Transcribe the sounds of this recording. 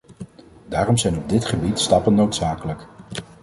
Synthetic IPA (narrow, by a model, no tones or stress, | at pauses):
daːrɔmzɛjnɔb̚dɪtχəbitstɑpənːowtsaːkələk